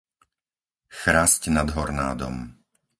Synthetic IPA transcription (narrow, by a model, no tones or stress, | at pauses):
xɾaːscnad̪ɦɔɾna̰ːd̪ɔ̰m